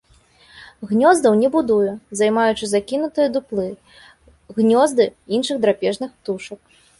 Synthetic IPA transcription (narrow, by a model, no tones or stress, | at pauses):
ɣnʲɔzd̪ɐwnʲɛbud̪ujɛzajmajut͡ʂɨzakʲinut̪ɨjɐd̪uplˠɨ | ɣnʲɔzd̪ɨinʂɨɣd̪ɾapʲɛʐnɨxpt̪uʂɐk̚